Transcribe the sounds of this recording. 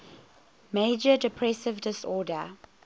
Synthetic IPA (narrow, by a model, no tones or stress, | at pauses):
meɪd͡ʒədɛpʰɹɛsɪvdɪsɔːdə